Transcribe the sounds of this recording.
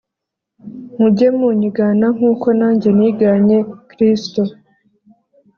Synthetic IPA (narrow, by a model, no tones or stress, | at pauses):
m̥ubɟemuɲiɡaːnaŋ̥uːko̞naːɲɟe̞niɡaɲe̞kɾisto